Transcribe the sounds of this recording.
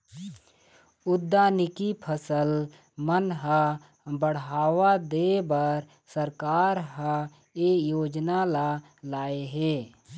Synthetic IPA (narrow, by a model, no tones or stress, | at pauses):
ʊd̪ːaːnɪkipʰəsəl | mənɦã | bəɽ̤ɦaːwad̪ebəɾ | səɾkaːɾɦã | eːjoːd͡ʒnala | laːeɦeː